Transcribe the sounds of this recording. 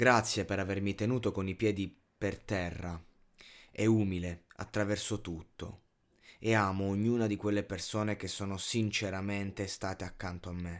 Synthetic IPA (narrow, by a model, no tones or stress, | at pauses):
ɡ̥ɾat̪sːjepeɾavermit̪enuːt̪okonipjɛːd̪i | pert̪ɛrːa | ɛuːmilea̰t̪ːɾavɛrsot̪ut̪ːo̰ | eaːmoːɲːuːnad̪ikwelːepersoːnek̟esːoːnosint͡ʃeɾament̪est̪aːt̪eakːant̪oamːe